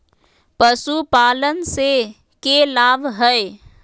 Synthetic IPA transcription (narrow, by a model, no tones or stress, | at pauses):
pəsupaːlənse | kelaːbɦəe